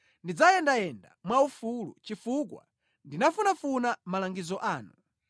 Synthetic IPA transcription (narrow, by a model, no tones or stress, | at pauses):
ndid͡zajɛndajɛnda̰mwaufulṵt͡ʃifukwa̰ | ndinafunafunamalaŋɡizɔʔaːnu